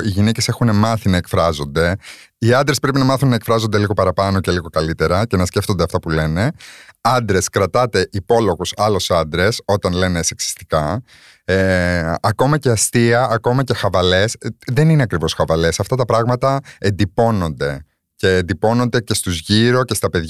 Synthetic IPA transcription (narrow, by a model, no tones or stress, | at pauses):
iʝine̞ce̞se̞xune̞mɐθinɐekfɾɐzo̞nd̪e̞ | iɐnd̪ɾespɾepinɐmɐθunːɐe̞kfɾɐzo̞nd̪e̞liɣo̞pɐɾɐpɐno̞ce̞liɣo̞kɐlit̪e̞ɾɐce̞nɐsce̞ft̪o̞nd̪eɐft̪ɐpule̞ne̞ɐnd̪ɾe̞skɾɐt̪ɐt̪e̞ʔipo̞lo̞ɣusɐlo̞sɐnd̪ɾe̞so̞t̪ɐnle̞ne̞seksi̥st̪i̥kɐ | eɐko̞mɐce̞ɐst̪iɐʔːko̞mɐce̞xɐvɐle̞sðe̞nine̞ɐkɾivo̞sxɐvɐle̞sɐft̪ɐt̪ɐpɾɐɣmɐt̪ɐe̞nd̪ipo̞no̞nd̪e̞ | ce̞ːnd̪ipo̞no̞nd̪e̞ce̞st̪uzʝiɾo̞ce̞st̪ɐpe̞ðʝ